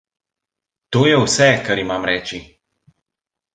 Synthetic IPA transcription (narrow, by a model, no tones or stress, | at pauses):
t̪oːjɛwsɛkaɾimaːmɾɛːt͡ʃi